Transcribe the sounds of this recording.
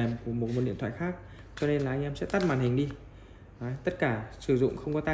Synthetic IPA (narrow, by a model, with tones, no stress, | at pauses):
mku˧˩əmo˨˩t̚mo˨˩t̚ɗḭ˧˨nt̪ʰa̰ː˧˨˩xaː˦˥k̚ | t͡ɕɔ˧ne˧nlaː˨˩ʔa˧ŋ̟ʔɛ˧msɛ̰˧˥t̪a˦˥t̚maː˨˩nhï˨˩ŋ̟ɗi˧ | ʔaː˨˦t̪ə˦˥t̚kaː˧˩sɨ˧˩zʊ̰˧˨ŋ͡mxə˧wŋ͡mkɔ˨˦t̪aː˧